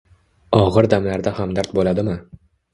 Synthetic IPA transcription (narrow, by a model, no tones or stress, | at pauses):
ɒʁɨɾd̪amlaɾd̪ahamd̪aɾt̪bolad̪ɪmɪ